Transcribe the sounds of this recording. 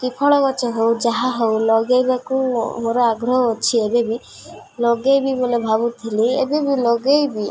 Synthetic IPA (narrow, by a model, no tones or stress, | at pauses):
kipʰɔɭɔkɔt͡ʃɔɦowd͡ʒaɦaɦowlɔɡejbakumoɾɔaɡɾɔɦɔːt͡ʃʰiebebi | lɔɡejbibolebʱabut̪ʰiliḛbebiloɡejbi